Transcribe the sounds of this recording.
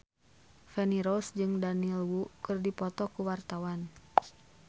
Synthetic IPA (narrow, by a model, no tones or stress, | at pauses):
fɛniɾɔsd͡ʒɨŋdanilwukɨrdipɔt̪ɔkuwart̪awan